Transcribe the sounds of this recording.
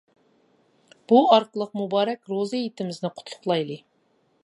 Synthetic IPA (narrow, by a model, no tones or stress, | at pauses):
b̥uɑɾqəlˠəq̚mubɑːɾɛkʲɾozɨjit̪ʰɪmɪznɪqʰʊ̥t̪ʰlˠʊ̥χlˠɑjlˠɨ